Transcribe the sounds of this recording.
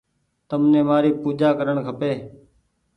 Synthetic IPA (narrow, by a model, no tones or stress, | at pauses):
t̪əmnẽːmaːɾiːpuːd͡ʒaːkəɾəɳkʰəpeː